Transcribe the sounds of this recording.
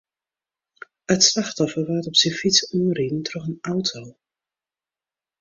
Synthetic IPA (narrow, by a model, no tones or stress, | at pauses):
ətslaχtɔfəʋaːtɔpsifitsuridn̩trɔχənawtʰow